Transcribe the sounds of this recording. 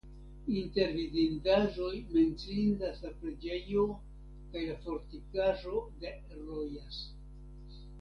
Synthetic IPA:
inte̞ɾvidindaʒo̞jme̞nt͡sindaslapɾe̞d͡ʒe̞jo̞ | kajlafo̞ɾtikaʒo̞de̞ | ɾojas

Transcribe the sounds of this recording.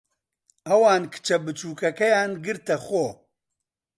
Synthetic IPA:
ɐwaːnkʰɨ̥t͡ʃʰɐbɨt͡ʃuːkɐkɐjaːnɡɨɾt̪ɐxoː

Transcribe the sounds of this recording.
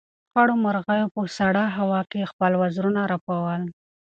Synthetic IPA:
xaɽomaɾɣajopəsaɽɑɦawɑkexpəlwazɾunaɾapawəl

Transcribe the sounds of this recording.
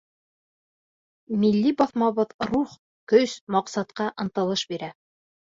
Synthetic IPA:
milːibɑθmɑβɤðɾuχ | kɵsmɑqsɑt̪qɑʔɤ̆nt̪ɤ̆lˠɤʃbiɾæ

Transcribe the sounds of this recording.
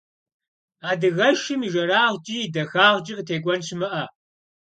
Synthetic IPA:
aːdɨɣɐʃɨmiʒɐɾaːʁd͡ʒʼidɐxaːʁd͡ʒʼiqətʰeːɡʷʼɔnʃɨmɐʔɐ

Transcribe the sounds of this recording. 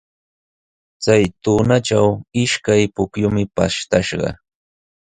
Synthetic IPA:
t͡sajt̪uːnaʈ͡ʂawɪʃkajpʊkjʊmɪpaʃt̪aʃɢɑ̰

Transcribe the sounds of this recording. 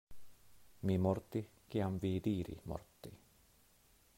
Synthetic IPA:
mimɔrt̪i | kiaɱviːd̪iːɾḭmɔ̰rt̪ːi

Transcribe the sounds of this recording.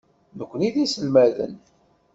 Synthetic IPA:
nəkʷːəniðisəlmæðə̰n

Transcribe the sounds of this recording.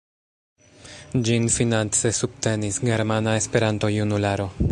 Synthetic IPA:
d͡ʒinfinant͡se̞sub̚te̞nisɡe̞ɾmanae̞spe̞ɾanto̞junulaɾo̞

